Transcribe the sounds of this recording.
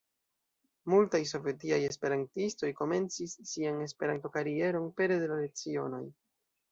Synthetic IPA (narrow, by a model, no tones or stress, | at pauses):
multajs̬o̞vetiaje̞spe̞ɾantisto̞jko̞me̞nt͡sisːiane̞speɾanto̞kaɾie̞ɾo̞npe̞ɾe̞de̞lale̞t͡sio̞no̞̰j